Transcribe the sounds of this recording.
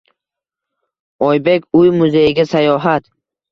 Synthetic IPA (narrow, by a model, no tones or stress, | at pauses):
ɒjbe̞kʲʰʊjmʊzejɪɡʲasajɒɦat̪